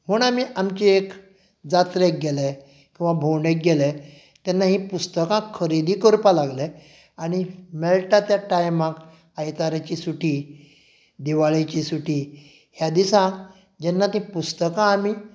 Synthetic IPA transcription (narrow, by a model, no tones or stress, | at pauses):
m̤əːɳamiːʔamt͡ɕiek | d͡zat̪ɾek̚ɡelɛ | kʲĩw̃ʋabʱoɳɖek̚ɡelɛ | t̪anːaɦĩpust̪əkãkʰəɾid̪iːkəɾpalaɡlɛ | aɽ̃imɛɭʈat̪jaʈajmãk | ajt̪aɾat͡ɕisuʈiː | d̪iʋaɭet͡ɕisuʈiː | hjad̪isã | d͡ʑɛnːat̪ĩpust̪əkãːmiː